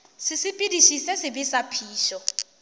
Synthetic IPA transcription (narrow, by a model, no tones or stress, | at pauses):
sɪsɪpʼidiʃisɛsɪbɪsapʰiːʃɔ